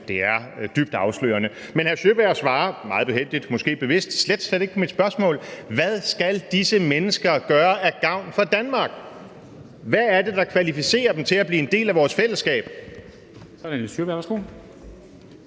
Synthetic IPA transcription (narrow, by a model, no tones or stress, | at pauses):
d̥e̝æɐd̥yb̥̚d̥ɑ̈ʊslø̰ːɐnəmenhæɐɕøbæɐ̰sʋɑ̈ːmɑ̈ːð̩ˠb̥ehɦel̰d̥id̥mɒ̽sɡ̥e̝̰ːb̥e̝ʋe̝sd̥sled̥sledɾeɡ̥pʰɒ̽mid̥spɶɐsmɔ̰ːlʋæð̞ˠsɡ̥æld̥isəmenəsɡ̥ɐɡ̥ɶːɐæɡ̥ɑ̈ʊ̰nfɒd̥ænmɑ̈ːɡ̥ | ʋæːɐd̥e̝d̥ɑ̈kʰʋælifise̝̰ːɐd̥em̩t͡sʰe̝læb̥liːe̝nd̥e̝̰ːlæʋɒːsfel̰əsɡ̥ɛ̰ːb̥ | sɒænsøbæɐ̰ʋsɡ̥o